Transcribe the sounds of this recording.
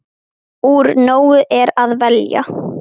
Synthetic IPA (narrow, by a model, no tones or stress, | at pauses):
uːɾnoːwʏʔɛɾaðvɛlja̰